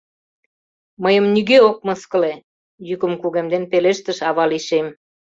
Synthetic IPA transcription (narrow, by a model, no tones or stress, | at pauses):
məjə̆mnyɣeok̚mɤskə̆le | jykə̆mkuɣemd̪enpeleʃt̪ə̆ʃɑβɑliʃem